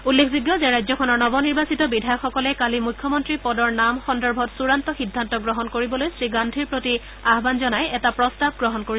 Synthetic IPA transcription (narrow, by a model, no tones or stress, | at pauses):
ulːekʰziɡjɔzeɹajzɔkʰɔnɔɹnɔbɔniɹbasitɔbidʱajɔkxɔkɔlɛkalimukʰːjɔmɔntɹipɔdɔɹnamxɔndɔɹbʱɔtsuɹantɔxidʱːantɔɡɹɔɦɔnkoɹibɔlojsɹiɡandʱiɹpɹoti | aɦbanzɔnajɛtapɹɔstab̚ɡɹɔɦɔnkoi